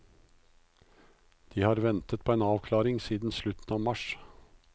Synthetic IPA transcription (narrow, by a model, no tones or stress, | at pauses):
d̪̥iːhɑːɾʋɛnt̪ət̪̚pʰoːeːnɑːʋkʰlɑːɾɪŋsiːd̪n̩slʉt̪n̩ɑːmɑʃ